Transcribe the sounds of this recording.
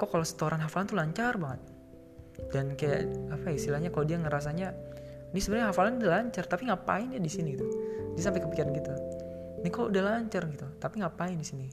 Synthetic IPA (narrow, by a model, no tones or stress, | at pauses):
kokalosə̥t̪oɾʔanɦafalant̪ulaɲt͡ʃarbaŋət̪̚ | d̥ankaja̰ʔapaist̪ilahɲakalodiaŋəɾas̬aɲanɪhsəbəɾɲaɦafalanudalaɲt͡ʃart̪apiŋapa̰ɪndiadisiniɡit̪udias̬ampajkəpikiɾanɡit̪u | nɪkaloudahlaɲt͡ʃarɡit̪ut̪apiŋɡapaɪndisini